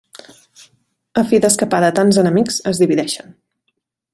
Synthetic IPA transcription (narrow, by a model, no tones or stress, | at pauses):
əfiðəskəpaðət̪anzənəmikzəzðiβiðɛʃən